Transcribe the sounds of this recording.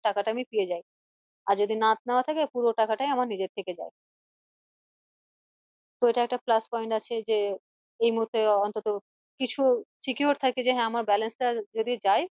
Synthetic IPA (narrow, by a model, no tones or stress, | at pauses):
ʈakaʈaamipied͡ʑaj | aɾd͡ʑod̪ʱinat̪nɛoat̪ʰakepuɾoʈakaʈajamaɾnid͡ʑeɾt̪ʰeked͡ʑa̰e | t̪oeʈaɛk̚ʈaplaspɔjɳʈat͡ɕʰed͡ʑe | ejmuɦuɾt̪ːeɔnt̪ot̪o | kit͡ɕʰusikijoɾt̪ʰaked͡ʑeɦɛ̃amaɾbɛlensʈad͡ʑod̪ʱid͡ʑaj